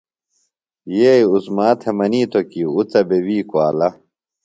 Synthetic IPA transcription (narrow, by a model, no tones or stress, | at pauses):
jejusmaːt̪ʰemɐniːt̪ʰokiut͡sɐbewiːkwaːlɐ